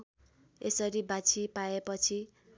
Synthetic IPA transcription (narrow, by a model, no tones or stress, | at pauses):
esʌɾibat͡sʰipaepʌt͡sʰi